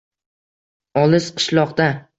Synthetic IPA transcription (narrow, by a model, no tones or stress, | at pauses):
ɒlɪz̥qʰɨ̥ʃlˠɒqd̪a